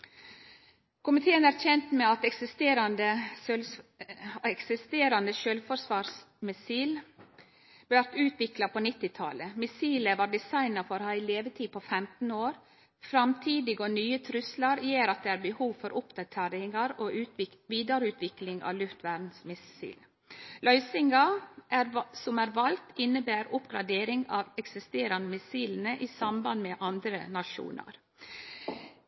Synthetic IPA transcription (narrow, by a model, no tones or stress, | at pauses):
kʰʊmɪt̪ʰeːənæɾçɛnt̪mɛɑt̪ɛksɪst̪eːɾɑnd̪əl | ɛksɪst̪eːɾɑnd̪əʃølfɔɾsʋɑːs | mɪsiːl | bæɾt̪ʉːt̪ʋɪklɑpʰoːnɪt̪ːɪt̪ʰɑ̰ləmɪsiːləʋɑːɖɪsɑɪnɑfɔɾhɑɪleːʋət̪ʰiːpʰofɛmt̪n̩oːɾ | fɾɑmt̪ʰiːd̪ɪɡoːnyːət̪ʰɾʉslɑɾjeːɾɑt̪̚d̪eːæːɾbəhuːʋfɔɾʔʊpd̪ɑt̪ʰeːɾɪŋɑɾoːʉʋiːd̪ɑɾʉːt̪ʰʋɪklɪŋɑ̰ːʋlʉft̪ʋæːɖn̩smɪsḭːl | lœʏsɪŋɡɑʔæɾsɔmæːɾʋɑlt̪ɪnːəbæːɾʊpɡɾɑd̪eːɾɪŋɑ̰ʋɛksɪst̪eːɾɑnəmɪsiːln̩əʔiːsɑmbɑnmeːʔɑnd̪ɾənɑʃṵːnə̰ɾ